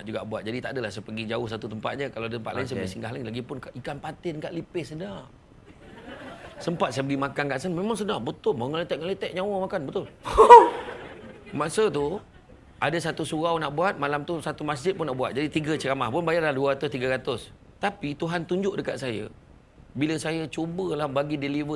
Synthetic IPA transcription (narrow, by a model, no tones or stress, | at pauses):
naʔd͡ʒuɡa̰ʔbuat̪̚d͡ʒadit̪aʔdəlahsəpəɡid͡ʒaʊhsat̪ut̪əmpa̰t̪̚ɲəkalaadət̪əmpat̪lajɪnsajəəɡisiŋɡaɦlaɪnlaɡipʊnkaʔikanpat̪ɪnkaʔlipɪhsəna | səmpat̪sajəbəɡimakankaʔsənmemaŋsənahbət̪ʊlməŋəlet̪ɛʔ̚ŋəlet̪ɛʔ̚ɲawəmakanbət̪ʊl | masət̪u | ʔadasat̪usuɣawnaʔbuat̪̚malamt̪usat̪umas̬d͡ʒɪt̪̚pʊnaʔbua̰t̪̚d͡ʒadit̪iɡət͡ʃəɾamahpʊnbajarlahduaɣat̪ʊst̪iɡaɾat̪ʊs | t̪apit̪uɦant̪uɲd͡ʒʊʔdəka̰ʔsaja̰ | biləsajat͡ʃobəlahbaɡidelivə